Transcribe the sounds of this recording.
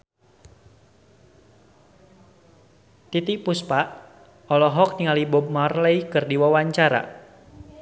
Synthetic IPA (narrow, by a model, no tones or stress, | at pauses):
t̪it̪ipuspaʔ | ɔlɔɦɔk̚niŋalibɔb̚marləikɨrdiwawaɲt͡ʃaɾa̰